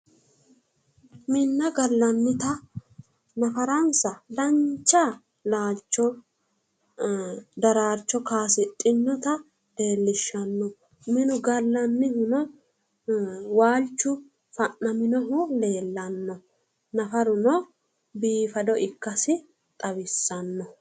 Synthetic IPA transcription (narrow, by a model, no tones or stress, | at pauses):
mɪnːɐɡɐlːɐnːɪt̪ɐ | nɐfɐɾɐnsɐd̪ɐɲt͡ʃːa | laːt͡ʃːɔ | d̪ɐɾaːt͡ʃːɔkaːsɪt̪ʼːɪnːɔt̪ɐ | d̪̥e̞ːlːɪʃːɐnːɔ | mɪnʊɡɐlːɐnːɪhʊnɔ | waːlt͡ʃːʊ | fɐnːɐmɪnɔɦʊle̞ːlːɐnːɔ | nɐfɐɾʊnɔ | biːfɐd̪ɔʔɪkːɐsɪ | t̪ʼɐwɪsːɐnːɔ